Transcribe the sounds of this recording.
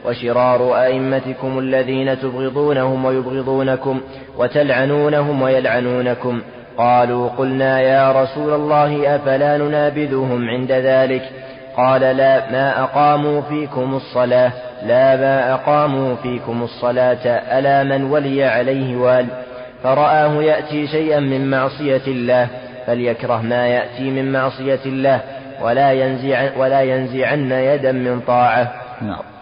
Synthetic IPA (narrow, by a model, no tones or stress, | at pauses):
wʔaʃɪɾˤɑːɾˤʊʔaʔɪmːat̪ɪkʊmalːaðiːnat̪ʊbɣɨðˤuːnahʊmwajʊbɣɪðˤuːnakʊm | wʔat̪alʕanuːnaɦʊmwajalʕanuːnakʊm | qɑːluːqʊlnaːjaːɾˤɑsuːlalˤːɑːɦɪʔafalaːnʊnaːbɪðʊɦʊmʕɪnd̪aðaːlɪk | qɑːlalaːmaːʔɑqɑːmuːfiːkʊmɑsˤːɑlaːhlaːmaːʔɑqɑːmuːfiːkʊmɑsˤːɑlaːt̪ʔalaːmanwalɪjaʕalajhɪwaːlɪ | fɑɾˤɑʔaːhʊjaʔt̪iːʃajʔanmɪmmɑʕsˤɨjalːaːh | baljakɾˤɑɦmaːjaʔt̪iːmɪmmɑʕsˤɨjalːaːh | wlaːwalaːjanzɪʕanːajad̪ammɪnt̪ˤɑːʕa